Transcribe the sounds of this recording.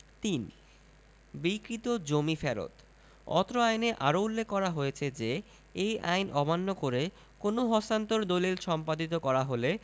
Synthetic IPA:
t̪in | bikɾit̪od͡ʑomifʰɛɾo̰t̪ | ɔ̰t̪ɾoajneʔaɾoulːekːɔɾaɦojet͡ɕʰed͡ʑe | eja̰jnʔɔbanːokoɾe | konoɦɔsant̪oɾd̪olilʃɔmpad̪it̪okɔɾaɦole

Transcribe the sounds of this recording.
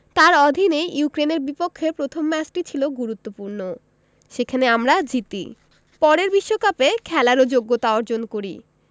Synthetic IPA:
t̪aɾɔd̪ʱinejukɾeneɾbipokʰːepɾot̪ʰomːɛt͡ɕʈit͡ɕʰiloɡuɾut̪ːopuɾno | ʃekʰaneamɾad͡ʑit̪ḭ | pɔɾeɾbiʃːokapekʰɛlaɾod͡ʑoɡːot̪aɔɾd͡ʑonkoɾi

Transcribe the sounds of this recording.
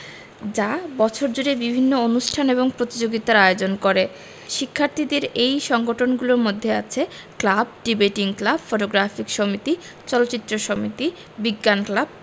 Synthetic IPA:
d͡ʑabɔt͡ɕʰoɾd͡ʑuɾebibʱinːoonuʃʈʰaneβoŋpɾot̪id͡ʑoɡit̪aɾaeod͡ʑonkoɾe | ʃikʰːaɾt̪ʰid̪eɾejʃɔŋɡoʈʰonɡuloɾmod̪ʱːeat͡ɕʰe | klabɖibaʈiŋklabfoʈoɡɾafikʃomit̪i | t͡ɕɔlotːɕit̪ːɾoʃomit̪i | biɡːanklab̚

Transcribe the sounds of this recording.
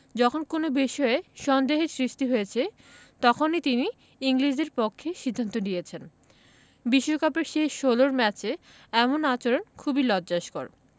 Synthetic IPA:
d͡ʑɔkʰonkonobiʃɔeʃɔnd̪eɦeɾsɾiʃʈiɦoet͡ɕʰe | t̪ɔkʰonit̪ini | iŋliʃeɾpokʰːeʃid̪ʱːant̪oɖijet͡ɕʰen | biʃːokapeɾʃeʃoloɾmɛt͡ɕe | ɛmonat͡ɕoɾonkʰubilɔdd͡ʑaʃko̰ɾ

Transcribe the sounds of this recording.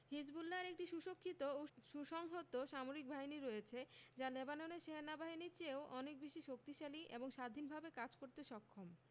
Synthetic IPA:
hid͡ʑbulːaɾek̚ʈiʃuʃokʰːit̪ooʃuʃɔŋɦot̪oʃamoɾik̚bʱaɦiniɾojet͡ɕʰed͡ʑalebanoneɾʃeɦenabaɦinit͡ɕeoʔɔnek̚biʃiʃok̚t̪iʃaliʔḛboŋʃad̪ʱinbʱabekad͡ʑkoɾt̪eʃɔkʰːom

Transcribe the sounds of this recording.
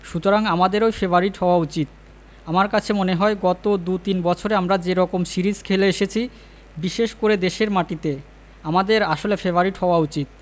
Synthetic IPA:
ʃut̪oɾaŋamad̪eɾojfebaɾiʈɦɔoaut͡ɕit̪̚ | amaɾkat͡ɕʰemoneɦɔeɡɔt̪od̪ut̪inbɔt͡ɕʰoɾeamɾad͡ʑeɾɔkomʃiɾid͡ʑkʰeleeʃet͡ɕʰi | biʃeʃkoɾed̪eʃeɾmaʈit̪e | amad̪eɾaʃolefebaɾiʈhɔoaut͡ɕit̪̚

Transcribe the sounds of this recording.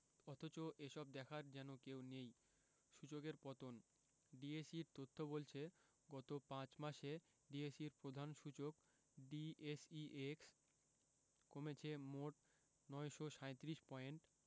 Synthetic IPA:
ɔt̪ʰot͡ɕoʔeʃɔb̚d̪ɛkʰaɾd͡ʑɛnokewnej | ʃut͡ɕokeɾpɔt̪on | ɖiesiɾt̪ot̪ʰːobolt͡ɕʰe | ɡɔt̪opãt͡ɕmaʃe | ɖiesiɾpɾod̪ʱanʃut͡ɕok | ɖiesiʔeks | komet͡ɕʰemoʈ | nɔeʃoʃajt̪iɾiʃpɔeɳʈ

